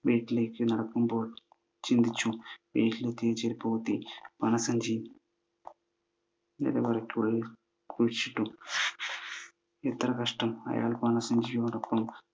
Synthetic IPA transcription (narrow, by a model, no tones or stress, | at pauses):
beːʈlekːinɐɽɐkːumpoː | t͡ʃind̪it͡ʃːubḛːʈilet̪eːt͡ʃeɾipoːt̪ipɐnɐsɐɲd͡ʒi | nḛd̪ɐʋɐɾɐkːiuɭɐ | kut͡ʃːiʈːu | et̪ːɐɾɐkɐʂʈɐmɐ̰ja̰ːlpɐnɐsɐɲd͡ʒijoɐɾɐkːɐm